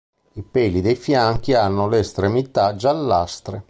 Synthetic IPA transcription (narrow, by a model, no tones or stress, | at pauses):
ipɛːlid̪ejfjaŋk̟ianːʊleːst̪ɾemit̪ad͡ʒalːast̪ɾe